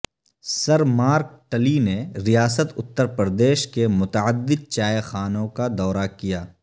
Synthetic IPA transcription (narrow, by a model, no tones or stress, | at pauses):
sɐɾmaːɾk̚ʈəlineɾijaːsət̪ʊt̪ːəɾpəɾəd̪eːʃkemʊt̪əəd̪ːɪd̪̚t͡ʃaːjxaːnõkad̪ɔːɾakijaː